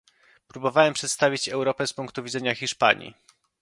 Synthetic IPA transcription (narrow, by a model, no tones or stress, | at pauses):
pɾubɔvawɛmpʂɛt̪st̪avʲit͡ɕɛwɾɔpɛspuŋkt̪uvʲid̪zɛɲaxʲiʂpa̰ɲḭ